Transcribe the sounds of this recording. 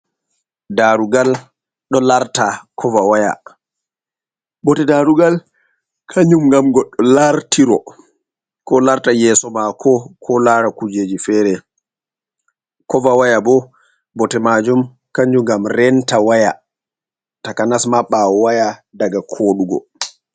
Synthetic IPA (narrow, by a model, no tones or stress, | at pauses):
daɾuɡal | ɗɔlaɾtakʰɔvawaja̰ | bɔtɛdaɾuɡal | kʰaɲd͡ʒumɡamɡɔɗːɔlaɾtiɾɔ | kɔlaɾtajɛːsɔmakʰɔkʰɔlaɾakud͡ʒeːd͡ʒifɛːɾɛ | kɔvawajabɔ | bɔtɛmad͡ʒum | kaɲd͡ʒuɡamɾɛntawaja | takanasmaɓːaɔwajadaɡakʰoːɗuɡɔ̰